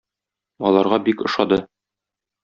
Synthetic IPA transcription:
ɒlˠɑɾʁɑbikɤ̆ʃɑd̪ɤ

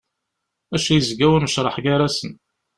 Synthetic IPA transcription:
æʃæjəzɡæwənʃɾˤɑħɡæɾæsən

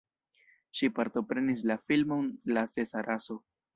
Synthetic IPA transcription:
ʃipaɾt̪o̞pɾe̞nis̬lafilmo̞nlase̞saɾaso̞

